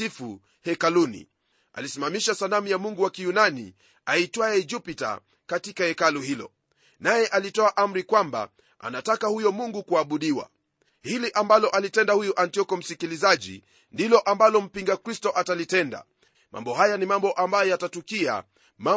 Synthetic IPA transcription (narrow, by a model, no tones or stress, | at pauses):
ifu | hɛkalunḭ | a̰lisimamiʃasalam̩jamuŋɡuwakijunanḭ | aitwaɛd͡ʒupita̰ | katikaɛkaluhilɔ̰ | najɛʔalitɔaʔam̩ɾikwamba̰ | a̰natakahujɔmuŋɡukuaɓuɗiwa̰ | hiliʔambalɔʔalitɛndahujuʔantiɔkɔm̩sikilizaʄḭ | ndilɔʔambalɔm̩piŋɡakɾistɔʔatalitɛnda̰ | mʔa̰mbɔɦajanimambɔʔambajɔjatatukia̰ | ma